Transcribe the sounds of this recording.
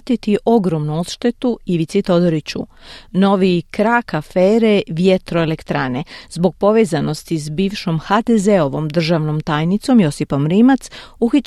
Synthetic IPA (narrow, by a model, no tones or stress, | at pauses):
t̪it̪iʔo̞ɡɾo̞mnuo̞t̪ʃt̪e̞t̪uiʋit̪sit̪o̞d̪oɾit͡ɕṵno̞ʋikɾakafeːɾeʋjet̪ɾo̞elekt̪ɾanezbo̞ɡ̚po̞ʋeːzano̞st̪isbiːʋʃo̞mxad̪ezeo̞ʋo̞md̪r̩ʒaʋno̞mt̪aːjnit̪so̞mjo̞sipo̞mɾiːmat̪suxi